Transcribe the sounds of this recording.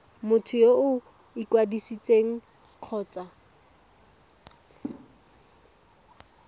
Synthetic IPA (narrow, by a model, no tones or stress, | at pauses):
mʊtʰʊjoʊ | ikwadisit͡sʼeŋ̩ | q͡χʰɔːt͡sʼa